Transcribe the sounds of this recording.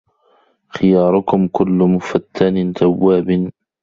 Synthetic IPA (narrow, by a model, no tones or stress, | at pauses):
xɪjɑːɾˤʊkʊmkʊlːʊmʊfat̪ʰːaːnɪt̪awːaːbɪn